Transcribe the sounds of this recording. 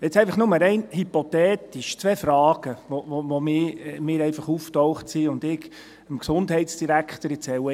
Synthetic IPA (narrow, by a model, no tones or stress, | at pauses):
jɛt͡sɛɪfɑχnʊməɾɛɪnhypot̪ɛːt̪iʃt͡sʋɛːfɾɑːɡ̥əʋoʋoʋomɪːmɪːɾɛɪfɑχuːftɔʊχtsiʊndɪk | əmksʊndhɛɪtsd̥iɾækχt̪əɾɛt͡sɛwə